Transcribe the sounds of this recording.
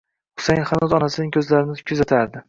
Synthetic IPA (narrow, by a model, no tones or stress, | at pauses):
hʊ̥sajnχanɒzɒnasɪnɪŋkʲʰɵzlaɾɪnɪkʲʰʊzat̪ʰaɾd̪ɪ